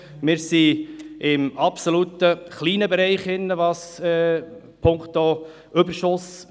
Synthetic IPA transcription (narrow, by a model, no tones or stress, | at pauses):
mɪɾsiʔɪmɑpsolut̪əχliːnəbɛɾɛɪχɪnːəʋɑsɛ | pʰʊŋkt̪o | ʏbəɾʃʊs